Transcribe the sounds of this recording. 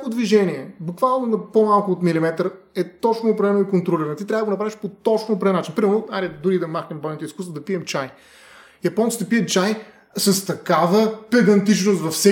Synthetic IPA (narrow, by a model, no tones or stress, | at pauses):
akod̪viʒɛniɛbukvalˠnonɐpomalˠkʊːt̪milimɛt̪ɾɛt̪ɔt͡ʃnoːp̬ɾɛvɛnoikont̪ɾoliɾɐnt̪it̪ɾʲavədəɡonɐpɾaviʃpot̪ɔt͡ʃnopɾɛnat͡ʃinpɾimɛɾnoad̪ɛd̪uɾid̪ɐmaxnəmbɔjnot̪ʊiskust̪vod̪ɐpiɛmt͡ʃaj | jɐpɔnt̪sit̪ɐpiɛt͡ʃaj | sɐst̪ɐkavəpɛd̪ɐnt̪it͡ʃnost̪vɐfsɛ